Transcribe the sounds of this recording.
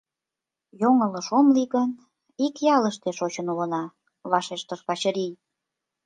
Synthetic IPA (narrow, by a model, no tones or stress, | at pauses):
joŋələʃomliɣən | ikjɑləʃt̪eʃot͡ɕənulə̆nɑ | βɑʃeʃt̪əʃkɑt͡ɕəɾij